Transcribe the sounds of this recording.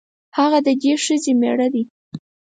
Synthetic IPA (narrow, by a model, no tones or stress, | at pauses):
haɣad̪əd̪eʃəzemḛɽad̪i